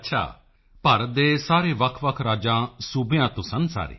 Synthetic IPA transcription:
ətːʃʰa̰ː | pəɾəd̪eːsaːɾeːʋəkʰʋəkʰɾaːd͡ʒãːsuːbjãːt̪ʊ̃sənsa̰ːɾḛː

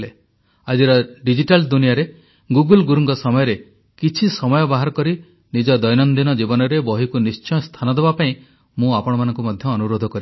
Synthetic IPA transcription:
le | ad͡ʒiɾɔɖid͡ʒiʈald̪unijaɾe | ɡuɡulɡuɾuŋɡɔsɔmɔjɔɾe | kit͡ʃʰisɔmɔjɔbaɦaɾɔkɔɾi | nid͡ʒɔd̪ɔjnɔnd̪inɔd͡ʒibɔnɔɾebɔɦikunist͡ʃɔjɔst̪ʰanɔd̪ebapaĩ | mũapɔɽ̃ɔmanɔ̃ŋkumɔd̪ʱjɔːnuɾod̪ʱɔkɔɾi

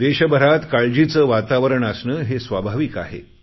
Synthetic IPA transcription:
d̪eɕəbʱəɾat̪kaɭd͡ʑit͡səːʋat̪aʋəɾəɳəsnəːɦesʋabʱaʋiːka̰ɦḛ

